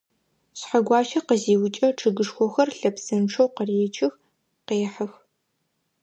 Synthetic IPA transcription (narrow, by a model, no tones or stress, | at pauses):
ɕħaɡʷɑːʃɐqəziːwʊt͡ʃʼɐʈ͡ʂʰɨɡɨʂxʷɔxɐrɬɐpsɨnʂʰowqəreːt͡ʃʰʼɪx | qeːħɐx